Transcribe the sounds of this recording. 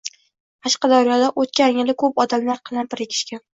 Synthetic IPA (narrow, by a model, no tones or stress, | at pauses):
qʰɑʃqɑd̪ɒɾjɒd̪aʔot̪kʲanjɪlɪkʰɵpɒd̪amlaɾqʰɨlanpɪɾɪkʲʰɪ̥ʃkʲan